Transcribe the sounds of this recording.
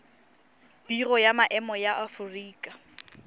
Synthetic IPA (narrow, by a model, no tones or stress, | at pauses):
b̥irɔjamaʔɛmɔjaʔafʊriːkʼa